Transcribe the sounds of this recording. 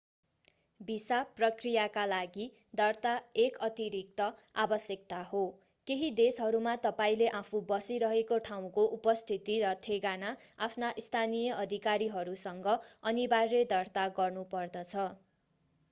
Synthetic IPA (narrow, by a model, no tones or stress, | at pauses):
bisaprʌkrijakalaɡi | d̪ʌrt̪aekʌt̪iɾik̚t̪ʌ | abʌsjʌk̚t̪aho | keɦid̪esɦʌɾumat̪ʌpaĩleʔapʰũbʌsiɾʌɦekoʈʰaw̃koʔupʌst̪ʰit̪iɾʌt̪ʰeɡanaapʰnaʔist̪ʰanijʌʔʌd̪ʱikaɾiɦʌɾusʌŋɡʌʌnibarːʌd̪ʌrt̪aɡʌrnupʌrd̪ʌt͡sʰʌ